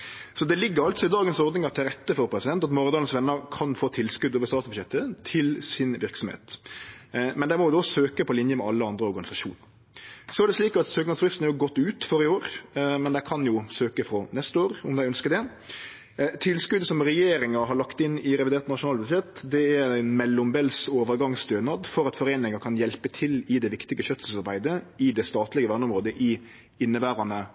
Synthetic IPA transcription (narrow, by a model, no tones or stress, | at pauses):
sɔd̪ɛlɪɡːəɾɑlt̪sɔɪd̪ɑːɡənsɔɾd̪nɪŋɑɾt̪ʰɪlɾɛt̪ːəfɔɾpʰɾɛsɪd̪ɛnt̪ɑt̪mɔɾd̪ɑːənsʋɛnːəɾkʰɑnfoːt̪ʰɪlːskʉd̪oːʋəst̪ɑːsbʉjɛt̪ːət̪ʰɪlsɪnʋɪɾksɔmhḛːt̪ | mɛnd̪æɪmɔjʊd̪ɔsøːkəpʰɔlɪnjəmɛɑlːəɑnd̪ɾəɔɾɡɑnɪsɑʃṵːnə | sɔæɾɖ̪ɛsliːkɑt̪søːknɑsfɾɪst̪næɾjʊɡɔt̪ːʉːt̪føɾɪoːɾmɛnd̪æɪkʰɑnjʊsøːkəfɾɔnɛst̪əoːɾʊmd̪æɪœnskəɾd̪ɛ | t̪ʰɪlskʉd̪əsɔmɾɛjeːɾɪŋɑɾɦɑɾɭɑkt̪ɪnːɪɾɛʋɪd̪eːɾt̪nɑʃʊnɑːlbʉd̪ʃɛt̪ːd̪ɛææɪnmɛlːʊmbɛlsoːʋəɾɡɑŋst̪øːnɑd̪fɔɾɑt̪fɔɾeːnɪŋɑkʰɑnjɛlpət̪ʰɪlɪd̪ɛʋɪkt̪ɪɡəɕœt̪əsɑɾbæɪd̪əɪd̪ɛst̪ɑːt̪lɪɡəʋæːnəʊmʁoːd̪əʔɪ | ɪnːəbæːɾɑnə